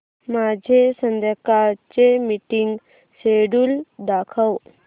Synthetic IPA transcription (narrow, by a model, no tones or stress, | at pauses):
mad͡ʑʱesənd̪əkat͡ɕemiʈiŋɡ | seɽuld̪akʰəw